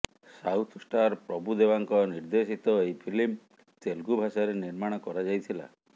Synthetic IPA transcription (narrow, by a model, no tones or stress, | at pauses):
sawt̪ʰsʈaɾpɾɔbud̪ebaŋkɔniɾd̪esit̪ɔejpʰilim | t̪elɡubʱasaɾeniɾmaɽ̃ɔkɔɾad͡ʒajt̪ʰila̰